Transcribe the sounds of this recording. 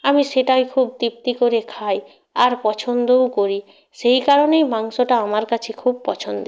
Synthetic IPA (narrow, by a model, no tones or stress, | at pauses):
amiseʈajkʰubt̪ip̚t̪ikoɾekʰaj | aɾpɔt͡ʃʰɔnd̪owkoɾi | sejkaɾonejmaŋsoʈaamaɾkat͡ʃʰikʰub̚pɔt͡ʃʰɔnd̪o